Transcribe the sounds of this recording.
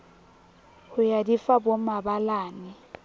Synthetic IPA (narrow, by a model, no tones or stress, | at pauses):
hʊjadifabomabalaːnɪ